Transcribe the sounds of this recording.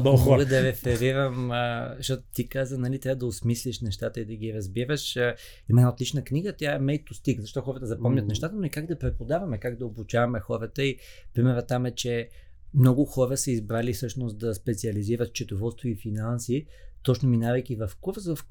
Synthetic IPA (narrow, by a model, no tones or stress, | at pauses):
ɔɡəd̪ɐɾɛfɛɾiɾəməʃɔt̪t̪ikazənɐlit̪ɾavəd̪ɐosmislʲiʃnɛʃt̪at̪əid̪ɐɡiɾɐzbiɾəʃ | imɛnaot̪lit͡ʃnəkniɡət̪ʲjaɛmɛjt̪ʊst̪ikzɐʃt̪ɔxɔɾət̪əzɐpɔmnʲɐt̪nɛʃt̪at̪ənoikaɡd̪ɐpɾɛpod̪avɐmɛkaɡd̪ɐobut͡ʃavɐmɛxɔɾət̪əi | pɾimɛɾət̪ːamɛt͡ʃɛ | mnɔɡʊxɔɾəsəizbɾalifsɤʃnost̪d̪ɐspɛt̪siɐliziɾət̪t͡ʃɛt̪ovɔlˠst̪voifinansit̪ɔt͡ʃnominavɐjkivɐfkufsvɐf